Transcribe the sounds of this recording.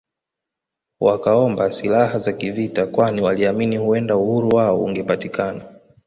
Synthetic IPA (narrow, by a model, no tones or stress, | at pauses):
wakaɔmbasilaɦazakivitakwaniwaliaminihuɛndauhuɾuwaɔṵŋɡɛpatikana